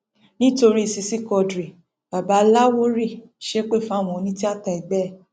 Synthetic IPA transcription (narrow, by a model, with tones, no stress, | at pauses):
nĩ˦to˧ɾi˦i˨si˧si˦kɔ˧dɾi˨ | ba˨ba˨˦la˦wo˦ɾi˦˨ | ʃe˦k͡pe˦˨fa˦˨w̃ɔ̃˨˦nĩ˦ti˦a˦˨ta˧i˨ɡ͡bɛ˦˨